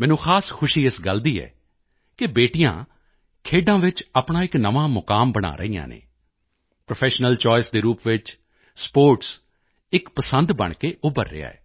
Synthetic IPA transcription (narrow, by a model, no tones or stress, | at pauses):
mɛ̃ːnũːxʰaːskʰʊʃiːɪsɡəld̪iːɛ̰ː | kɪbeːʈijã̰ː | kʰeːɖãːʋɪt͡ʃaːpɳaːɪknəʋãːmʊkaːmbəɽ̃a̰ːɾə̰ijã̰ːnḛː | pɾopʰɛːʃnəlt͡ʃɔːɪsd̪eːɾuːpʋɪt͡ʃ | spoːɾʈs | ɪkpəsənd̪bə̰ɳkeːʔʊbəɾːɪ̰a̰ːɛ̰ː